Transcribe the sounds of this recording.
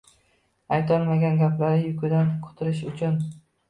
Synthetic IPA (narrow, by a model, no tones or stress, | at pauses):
ajt̪ʰɒlmaɡʲanɡʲaplaɾɪjʊkʰʊd̪ankʰʊ̥t̪ʰʊɾɪʃʊt͡ʃʰʊn